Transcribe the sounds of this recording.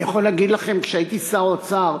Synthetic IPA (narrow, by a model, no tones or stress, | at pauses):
jaχo̞leːɡid̪laχe̞mkʃeait̪isaʁot͡saʁ